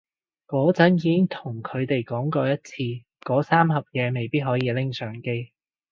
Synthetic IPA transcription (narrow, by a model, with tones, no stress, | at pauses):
kɔː˨˥t͡sɐ˨˥njiː˨˧kɪ˥ŋt̪ʰʊ˨˩ŋkʰɵ˨˧ɥt̪e˨jkɔː˨˥ŋkɔː˧jɐ˥t̚t͡sʰiː˧ | kɔː˨˧˥saː˥mɦɐ˨p̚jɛː˨˧me˨˩jpiː˥t̚ɦɔː˨˥jiː˧lɪ˥ŋsœː˨˥ŋke˥j